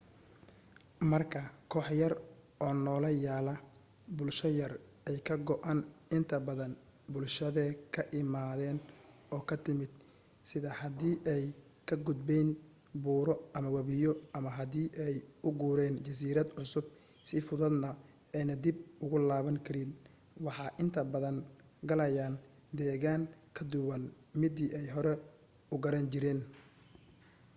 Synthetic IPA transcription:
mɐrkʰɐkʰɔːħjɐrʔɔːnɔːlɐjaːlɐ | bʊlʃɐjɐr | ɛjkʰɐɡɔʔɐnɪnt̪ʰɐbɐðɐn | bʊlʃɐðɛkʰɐʔɪmaːðɛːnɔːkʰɐt̪ʰɪmɪd̪̚ | sɪðɐhɐd̪iːʔɛj | kʰɐɡʊd̪̚bɛn | buːɾɔʔɐmɐwɐβɪjɔʔɐmɐɦɐðiːʔɛjʊɡuːɾɛːnt͡ʃɐs̬iːɾɐd̪ʕʊsʊb̚ | sɪfʊðɐd̪nɐ | ɛjnɐd̪ibʊɣʊlaːβɐŋkʰɐɾɪn | wɑħɑːʔɪnt̪ʰɐbɐðɐŋ | ɡɐlɐjaːn | d̪ɛːɣaːŋkʰɐd̪ʊwɐn | mɪd̪iːʔɛjɦɔɾɛ | ʊɡɐɾɐnt͡ʃɪɾɛːn

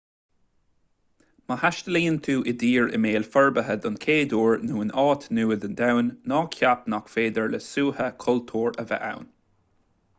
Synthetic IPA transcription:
məhaʃt̪əliːnt̪ʰuːʔɪd̪iːɹɪ̰meːlfɛɹbəɦəd̪ʊnkʰeːd̪uːɹnuːənɑːt̪nuːəd̪ənd̪awnːɔːkʰapnakfeːd̪əɹləsuːhəkʰɔlt̪ʰuːɹəvɛ̰ʔa̰wn

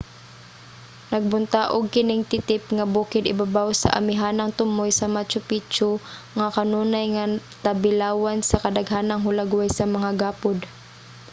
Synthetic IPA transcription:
nɐɡ̚bʊnt̪aʔʊɡ̚kɪnɪŋt̪ɪt̪ɪpŋabuːkɪd̪ɪbabawsa̰ʔa̰mɪɦaːnaŋt̪ʊmojsɐmat͡ʃʊpit͡ʃʊ | ŋakanuːnajŋa | t̪abɪlaːwansɐkɐd̪aɡɦaːnaŋɦʊlaɡwajsɐmɐŋaɡaːpʊd̪

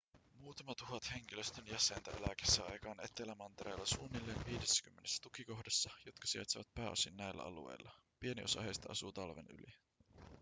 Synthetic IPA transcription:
muːt̪ɑmɑt̪uɦɑt̪he̞ŋk̟iløst̪ønjæse̞nt̪æelæke̥sːæɑjkɑːne̞t̪ːelæmɑnt̪eɾḛjlːɑsuːnːilːeːnʋiːdesːæ̥kymːenesːæ̥t̪ukiko̞hdɑsːɑjo̞t̪kɑ̥siɑ̰t̪siʋæt̪̚pæːo̞sinːæjlːæ̰ɑ̰lṵe̞̰jlːɑ | pie̞niʔo̞sɑ̰hejst̪ɑʔɑsuːt̪ɑlʋḛny̰li

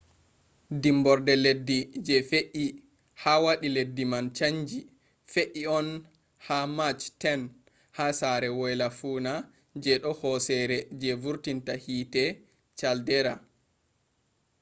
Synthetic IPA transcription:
dimbɔɾdɛledːid͡ʒɛfeʔi | hawaɗiledːimant͡ʃaɲd͡ʒi | feʔiɔn | hamat͡ʃtɛn | hasaɾɛwɔjlafuːna | d͡ʒɛɗɔhɔsɛɾɛd͡ʒɛvuɾtintahiːtɛ | t͡ʃaldɛɾa

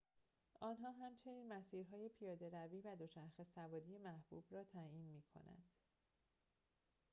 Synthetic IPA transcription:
ʔɒːnɦɒːɦæmt͡ʃʰe̞niːnmæsiːɾɦɒːje̞pʰijɒːd̪e̞ɾæviːvæd̪ot͡ʃʰæɾxe̞sævɒːd̪ije̞mæhb̥ṵːb̥rɒːt̪ʰæiːnmiːkʰo̞̰næ̰nd̪̥

